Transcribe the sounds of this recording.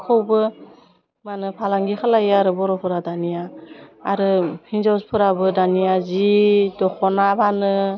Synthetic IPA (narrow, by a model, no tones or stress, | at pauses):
kʰowbɯ | manɯpʰalaŋɡikʰalajaɾɯbɔɾɔpʰɯɾadanijaː | ɾɯhinzawspʰɯɾabɯdanijazidɔkʰɔnabanɯ